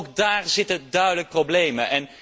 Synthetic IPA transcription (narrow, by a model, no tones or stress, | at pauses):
kdaːɹzɪtədœɥdələk̚problejməʔɛn